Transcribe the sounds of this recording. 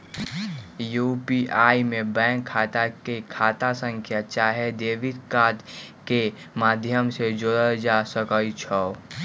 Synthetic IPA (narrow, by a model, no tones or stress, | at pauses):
juːpiʔaːimẽbɛ̃ːŋkʰːaːt̪akekʰaːt̪asə̃ŋkʰjat͡ʃaːɦed̪eːʋɪd̪kaːd̪ | ke | maːd̪ʱjəmsed͡ʒoːɾəd͡ʒasəkəit͡ʃʰɔo